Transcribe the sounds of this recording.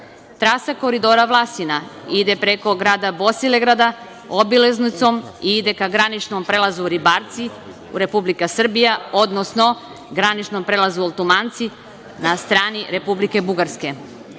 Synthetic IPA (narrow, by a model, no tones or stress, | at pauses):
t̪ɾasako̞ɾid̪o̞ːɾaʋlˠasinaid̪e̞pɾeko̞ɡɾaːd̪abo̞sileɡɾad̪a | obileznut̪so̞miid̪e̞kaɡɾanit͡ʃnompɾelazuɾibaɾt̪si | ṵɾe̞publikasr̩bijao̞d̪nosno̞ | ɡɾanit͡ʃnompɾeːlˠazuolˠt̪omant̪si | nast̪ɾaːniɾe̞publike̞buɡaɾske̞